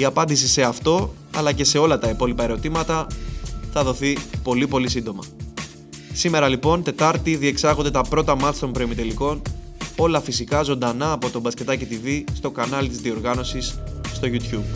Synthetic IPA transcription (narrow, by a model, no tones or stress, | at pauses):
iɐpɐnd̪is̬ise̞ɐft̪o̞ | ɐ̰lɐce̞se̞o̞lɐt̪ɐipo̞lipɐe̞ɾo̞t̪imɐt̪ɐ | θɐðo̞θipo̞lipo̞lisind̪o̞mɐ | sime̞ɾɐlipo̞nt̪e̞t̪ɐɾt̪iðie̞ksɐɣo̞nd̪e̞t̪ɐpɾo̞t̪ɐmɐst̪o̞mpɾo̞imit̪e̞liko̞n | o̞lɐfisikɐzo̞nd̪ɐnɐːpo̞t̪o̞bɐsce̞t̪ɐcit̪ivist̪o̞kɐnɐlt̪izðio̞ɾɣɐno̞sisːt̪o̞ʝut̪çub